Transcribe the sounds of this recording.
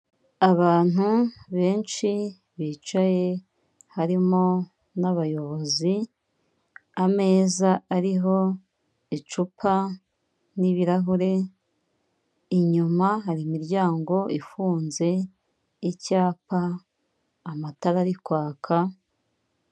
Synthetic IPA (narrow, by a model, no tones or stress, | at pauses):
aβaːn̥uβe̞ːnt͡ʃi | βiːt͡ʃaje̞ | haɾimo̞ | naβajo̞βo̞zi | ame̞ːzaːɾiɦo̞ | it͡ʃupʰa | niβiɾaɦuɾe̞ | iɲumaɦaɾimiɾɟaːŋɡo̞ifuːnze̞ | icaːpaː | mataɾaɾikwaːkʰa